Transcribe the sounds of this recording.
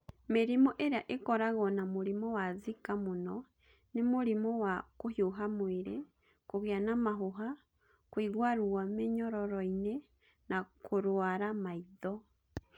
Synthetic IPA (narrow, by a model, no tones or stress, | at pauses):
meɾimɔʔeɾeaʔekɔɾaɣɔnamoɾimɔwazikamonɔ | nemoɾimɔwakohjoɦamweɾe | koɣeanamaɦoɦa | kwiɣwaɾuwameɲɔɾɔɾɔine | nakʰoɾwaɾamaiðɔ